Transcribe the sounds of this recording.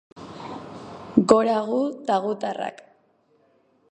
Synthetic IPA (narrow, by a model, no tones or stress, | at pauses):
ɡoɾaɣut̪aɣut̪ara̰k